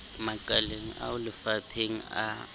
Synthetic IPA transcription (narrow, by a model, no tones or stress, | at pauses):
makʼaleŋ̩ʔa̰ʊlɪfapʰeŋ̩a̰